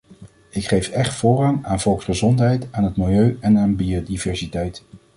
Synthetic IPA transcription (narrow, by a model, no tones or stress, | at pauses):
ɪkχejfɛχtfʊːrɑŋaːnv̥ɔlˠksχəzɔntɦɛjtaːnɦətmɪlˠjøɥɛnaːnbiodivɛɹsitɛjt